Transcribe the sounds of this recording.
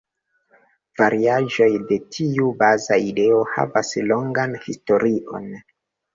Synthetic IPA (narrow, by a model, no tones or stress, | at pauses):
v̥aɾiaʒo̞jde̞tʰiubazaide̞o̞ha̰vaslo̞ŋɡanhisto̞ɾʔiʔo̞̰n